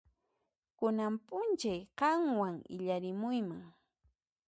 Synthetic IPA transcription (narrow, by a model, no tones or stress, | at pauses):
kʊnampʊnt͡ʃajqɑŋwaŋɪ̰ʎaɾɪmʊjmaŋ